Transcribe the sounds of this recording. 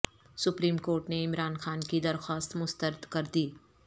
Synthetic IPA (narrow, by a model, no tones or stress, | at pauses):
sʊpɾiːmkoːɾʈneɪmɾaːnxaːnkid̪ɐɾxaːst̪mʊst̪əɾɪd̪kɐɾd̪iː